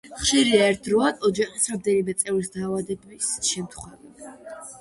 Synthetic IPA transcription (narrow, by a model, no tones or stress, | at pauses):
χʃiɾiaɛɾt̪ʰɾɔad̪ɔd͡ʒaχisɾamd̪ɛnimɛt̪sʼɛvɾisd̪aːvad̪ɛbisʃɛmt̪ʰχwɛvi